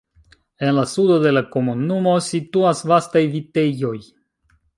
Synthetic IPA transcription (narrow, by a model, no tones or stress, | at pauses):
e̞nlasudo̞de̞lako̞munumo̞situasvastajvite̞jo̞j